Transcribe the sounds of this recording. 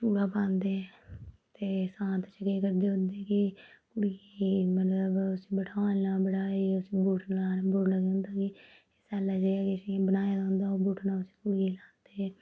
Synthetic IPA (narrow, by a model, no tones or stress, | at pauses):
kuːɽaːpãːnd̪eːɛ | t̪eːsãːnt̪ʰt͡ʃəkeːkəɾd̪eːɦʊ̃nd̪eːkɪkʊɽijeːmət̪ləbʊsibəʈʰaːnaːbəɽaːiːʊsibuːʈʰnaːboɽnaːɡeʊ̃nd̪aːkɪ | sɛːlaːd͡ʒeaːkɪsibənaːjaːd̪ãɦʊ̃nd̪aːoːbuːʈʰnãːʊsi̥kʊɽeːlaːnd̪eː